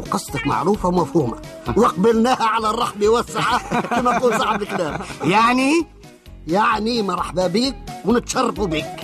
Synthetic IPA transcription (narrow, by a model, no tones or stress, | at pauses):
qɨsˤt̪ˤɑkma̰ʕɾuːfawmafhuːmawɪq̚balnaːhaʕalarˤːɑħbiwasːɪħakamʔakuːnsˤɑʕablklaːmjaʕni | jaʕnimɑɾˤħababiːk̚wɪnɪt̪ʃɑrˤːɑfubiːk